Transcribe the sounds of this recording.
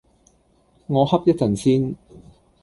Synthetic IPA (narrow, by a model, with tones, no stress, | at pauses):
ŋɔː˨˧hɐ˥p̚jɐ˥t̚t͡sɐ˨nsiː˥n